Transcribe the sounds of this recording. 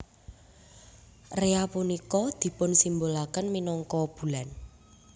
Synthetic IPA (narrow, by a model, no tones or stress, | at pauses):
reapunikɔd̪̥i̤pʊnsimbolakənminɔŋkɔb̥ṳlan